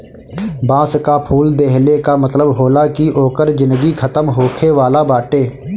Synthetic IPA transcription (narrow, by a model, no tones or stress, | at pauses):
bãːskapʰuːld̪eɦlekamət̪ləbɦoːlakiʔoːkəɾd͡ʒɪ̃nd̪əɡikʰət̪əmɦoːkʰeʋaːlabaːʈeː